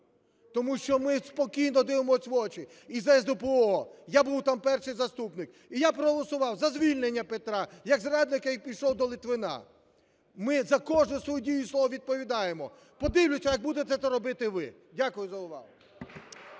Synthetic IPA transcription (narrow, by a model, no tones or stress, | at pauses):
t̪ɔmuʃt͡ʃɔmɪspɔkʲijnɔd̪ɪʋemɔsʲʋɔt͡ʃɪ | izɛzd̪ɔpeɔjabuwt̪ɑmpɛrʃɪjzɐst̪upnɪk | ijapɾɔɦɔlˠɔsʊʋɑwzɐzʲʋʲilʲnenʲːɐpet̪ɾɑjɐɡzɾad̪nɪkɐjpʲijʃɔwd̪ɔlˠɪt̪ʋɪnɑ̰ | mɪzɐkɔʒnʊsʋɔjudʲijʊslˠɔʋɔʋʲid̪̚pɔʋʲid̪ɑjemɔ | pɔd̪ɪwlʲʊsʲɐjɐɡ̚bud̪et̪ɛt̪ɛɾɔbɪt̪ɪʋɪ | dʲakʊjʊzɐʊʋɑ̰ɦʊ